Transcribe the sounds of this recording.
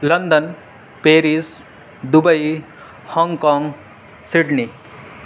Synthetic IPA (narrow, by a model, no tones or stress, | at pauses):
lɐnd̪ən | peːɾis | d̪ubəj | hɔŋkɔːŋɡ | siɽni